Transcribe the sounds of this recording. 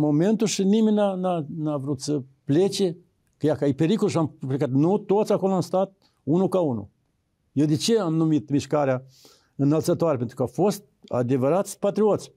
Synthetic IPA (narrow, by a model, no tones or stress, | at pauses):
moment̪uʃiniminananavɾut̪səplet͡ʃe | kəjakaipeɾikolʃamplekat̪nut̪ot̪sʲakoloamst̪at̪̚ | unukaunṵ | jed̪et͡ʃeamnumit̪miʃkaɾea | ɨnəlt̪sət̪oaɾepent̪ɾukafost̪̚a̰d̪evəɾat̪sʲpat̪ɾiot̪sʲ